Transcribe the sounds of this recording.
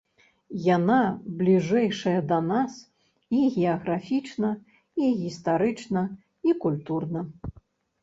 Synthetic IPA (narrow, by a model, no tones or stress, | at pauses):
janablʲiʐɛjʂɐjɐd̪ɐnas | iɣʲɛɐɣɾafʲit͡ʂnɐ | iɣʲist̪aɾɨt͡ʂnɐ | ikulʲt̪urnɐ